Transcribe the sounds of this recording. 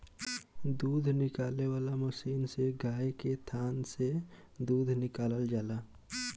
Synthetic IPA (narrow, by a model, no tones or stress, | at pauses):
d̪uːd̪ʱnɪkaːlewaːlaməsiːnseɡʱaːjket̪ʰaːnse | d̪uːd̪ʱnɪkaːləld͡ʒaːla